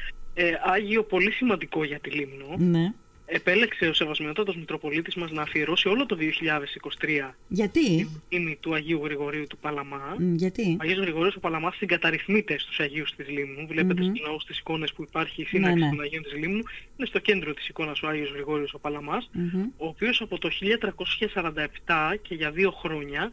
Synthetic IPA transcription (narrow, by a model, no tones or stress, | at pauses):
eɐʝio̞po̞lisimɐnd̪iko̞ʝɐt̪ilimnone | e̞pe̞le̞kse̞o̞se̞vɐzmeno̞t̪ɐt̪ozmikɾo̞po̞lit̪izmɐznɐːfie̞ɾo̞sio̞lo̞t̪o̞ðio̞çiʎɐðe̞siko̞si̥t̪ɾiɐʝɐt̪iiimit̪uɐʝiuɣɾiɣo̞ɾiut̪upɐlɐmɐʝɐt̪iɐʝio̞zɣɾiɣo̞ɾioso̞pɐlɐmɐsːiŋɡɐt̪ɐɾiθmit̪e̞st̪u̥sɐʝiust̪izlimnuvle̞pe̞t̪est̪oznɐost̪isi̥ko̞ne̞spuipɐɾçiːsinɐksit̪onɐʝiont̪izlimnuine̞st̪o̞ce̞nd̪ɾo̞t̪i̥siko̞nɐso̞ɐʝiozɣɾiɣo̞ɾio̞so̞pɐlɐmɐso̞ːpio̞sɐpo̞t̪o̞çiʎɐt̪ɾɐko̞sçɐsɐɾɐnd̪ɐept̪ɐce̞ʝɐðio̞xɾo̞ɲɐ